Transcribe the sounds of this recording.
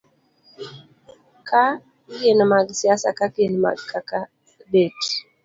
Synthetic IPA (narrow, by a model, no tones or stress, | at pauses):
kʰa | kenmaɡsiasa̰kakenma̰ɡkʰaka | bet